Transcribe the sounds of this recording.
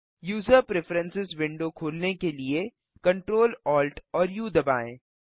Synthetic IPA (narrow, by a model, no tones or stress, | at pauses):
juːzəɾpɾɪfɾə̃nsɪzʋɪ̃ɳɖokʰoːlnekelie | kɐ̃ɳʈɾoːlɔːlʈɔːɾjud̪ɐbaːḛ̃ː